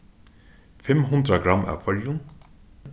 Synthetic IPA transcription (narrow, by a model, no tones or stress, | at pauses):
fɪmɦʊnt̪ɾaɡɾamʔa̰wfʰœljʊn